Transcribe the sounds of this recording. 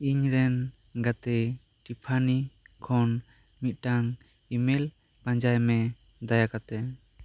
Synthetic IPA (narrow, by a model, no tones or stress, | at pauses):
iɲɾɛn | ɡat̪ɛ | ʈipʰanikʰɔn | mit̪̚ˀʈaŋ | imel | pãɲd͡ʒajmɛ | d̪ajakat̪ɛ